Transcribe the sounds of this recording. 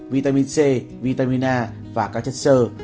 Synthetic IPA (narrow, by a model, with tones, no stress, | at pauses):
vi˧t̪a˧mi˧nse˧˩ | vi˧t̪a˧mi˧naː˧˩ | vaː˨˩ka˧˩t͡ɕə˦˥t̪̚sə˧